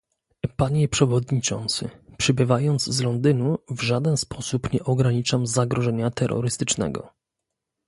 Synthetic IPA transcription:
paɲɛpʂɛvɔd̪ɲit͡ʂɔ̰nt̪sɘ̰pʂɘbɘvajɔnd̪zzlɔnd̪ɘnuvʐad̪ɛnspʰɔsupɲɛʔɔɡɾaɲit͡ʂamzaɡɾʔɔʐɛɲat̪ɛɾːɔ̰ɾɘst̪ɘt͡ʂnɛ̰ɡɔ̰

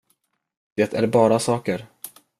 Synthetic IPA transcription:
d̪̥eːt̪ʰæ̰ɾbɑːɾasɑːkəɾ

